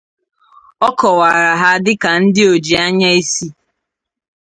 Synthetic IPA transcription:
ɔ˦kɔ˨wa˨ɾa˨ɦa˦dɪ˦ka˨n̩˦dɪ˦o˨d͡ʒi˨a˦ɲa˦i˦si˦

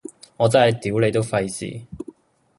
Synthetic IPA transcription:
ŋɔː˨˧t͡sɐ˥˩nhɐ˨˩jt̪iː˨˥wle˨˧jt̪o˥wfɐ˧jsḭː˨˩

